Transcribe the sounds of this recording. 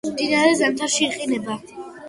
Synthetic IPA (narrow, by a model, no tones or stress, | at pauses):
md̪inaɾɛzɛmt̪ʰaɾʃiːχinɛba